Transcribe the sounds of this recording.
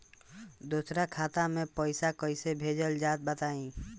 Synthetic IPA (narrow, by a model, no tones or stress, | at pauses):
d̪uːsɾakʰaːt̪amẽpəɪsakəɪsebʱeːd͡ʒəld͡ʒaːt̪̚bət̪aːĩː